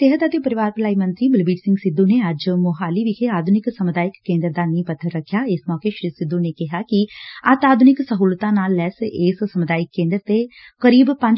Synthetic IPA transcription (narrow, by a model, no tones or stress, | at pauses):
t̪eɦət̪ət̪epəɾɪʋaːɾpɪlaːimə̃nt̪ɾiːbɪlbiːʈsɪ̃ŋɡsɪd̪ːũneəd͡ʒmʊɦaːliʋɪkʰeaːd̪ʱʊnɪksəmʊd̪aːɪkːẽːnd̪əɾd̪aːnĩpət̪ʰːəɾːəkʰːjaːɪsmɔːkeʃɾiːsɪd̪ːunekɪɦaːkiɐt̪aːd̪ʱʊnɪksəɦuːlt̪ãːnaːlːɛːsɪssəmʊd̪aːjɪkːẽːnd̪ɾt̪ekəɾiːbpə̃ɲd͡ʒ